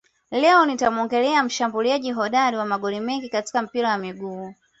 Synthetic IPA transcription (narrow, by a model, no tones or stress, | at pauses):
lɛɔnitamɔŋɡɛlɛam̩ʃambuliaʄiɦɔɗaɾiwamaɠɔlimɛŋɡikati̥kam̩piɾawamiɡuː